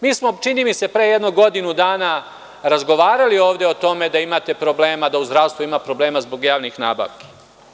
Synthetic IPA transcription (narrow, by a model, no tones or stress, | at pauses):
miːsmo̞t͡ʃiniːmise̞pɾejed̪noɡo̞d̪inud̪aːna | ɾazɡo̞ʋaːɾalio̞ːʋd̪eot̪o̞me̞d̪aimat̪e̞pɾo̞bleːmad̪auzd̪ɾaʋst̪ʋuimapɾo̞ble̞ːmazbo̞ɡjaːʋnixna̰ːba̰ːʋke̥